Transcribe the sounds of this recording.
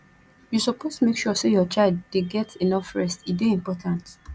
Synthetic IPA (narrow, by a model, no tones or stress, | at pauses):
jusɔpʰostumekʃusejɔt͡ʃaɪldːeɡɛtʰenɔfɹɛstibeĩmpɔtʰãnt